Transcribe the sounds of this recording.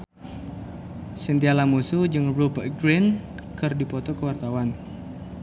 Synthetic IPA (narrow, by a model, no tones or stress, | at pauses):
sənt̪ialamusud͡ʒəŋbupəɡɾɛn | kɨrdipɔt̪ɔkəwart̪awan